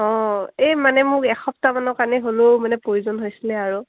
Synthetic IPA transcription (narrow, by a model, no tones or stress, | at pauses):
ɔ̃ejmanɛmʊkɛxɔp̚tamanɔkaniɦolomanɛpɹojuzɔnɦojsilɛaɹu